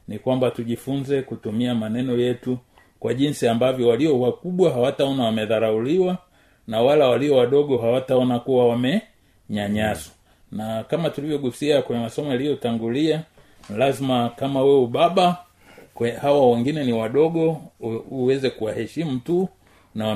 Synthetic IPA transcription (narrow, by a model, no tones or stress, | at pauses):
nikwambatuʄifunzɛkutumiamanɛnɔjɛtu | kwaʄinsiambavjɔwaliɔwakuɓwaɦawataɔnawamɛðaɾauliwa | nawalawaliɔwaɗɔɠɔɦawataɔnakuwawamɛ | ɲaɲaswḁ | nakamatulivjɔɠusiakwɛɲɛmasɔmɛalijɔtaŋɡulia | lazimakamawɛuɓaɓa | kɛhawawɛŋɡinɛniwaɗɔɠɔ | uwɛzɛkuwahɛʃimutu | naw